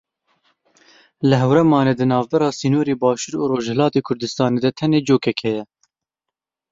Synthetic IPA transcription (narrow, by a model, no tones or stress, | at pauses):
lɨɦɛwɾɛmɑːneːd̪ɨnɑːvbɛɾɑːsiːnoːɾeːbɑːʃuːɾuɾoːʒhɛlɑːt̪eːkʰʊɾd̪ɨst̪ɑːneːd̪ɛt̪ʰɛneːd͡ʒoːkɛkʰhɛjɛ